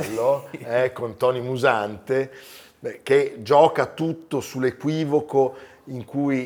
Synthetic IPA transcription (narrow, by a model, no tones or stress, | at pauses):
lːoɛkːont̪ɔːnimuzant̪e | ɛk̟ed͡ʒɔːkat̪ut̪ːosulːekwiːvoko | iŋkuj